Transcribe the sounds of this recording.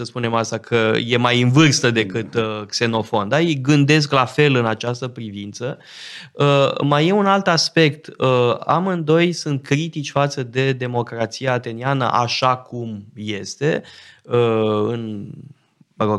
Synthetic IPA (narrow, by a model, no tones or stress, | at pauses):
səspune̞mast̪akʰəje̞majɨnvɨrst̪əd̪e̞kɨt̪kse̞no̞fo̞nd̪ajejɡɨnd̪e̞s̬klafe̞lɨnat͡ʃast̪əpɾivint̪sə | əmaje̞unalt̪aspe̞kt̪əa̰mɨnd̪o̞jsunt̪̚kɾit̪it͡ʃʲfat̪səd̪e̞d̪e̞mo̞kɾat̪sijaːt̪e̞nianə̰ʔaʃakumje̞st̪e̞əɨn | bəɾoɡ